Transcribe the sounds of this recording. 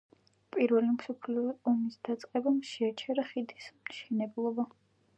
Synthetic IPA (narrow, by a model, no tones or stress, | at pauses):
pʼiɾvɛlimsɔpʰliɔɔmisd̪̥at̪sʼqʼɛbamʃɛat͡ʃʰɛɾaχid̪ismʃɛnɛblˠɔba